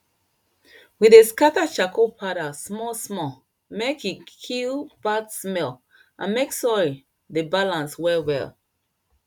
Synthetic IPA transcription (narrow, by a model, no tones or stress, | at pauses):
wideskatat͡ʃakʰopʰaɾasmɔsmɔ | mekikʰilbadsmɛl | ʔã̰nmeksɔɹi | debalãnswɛlwɛ̰l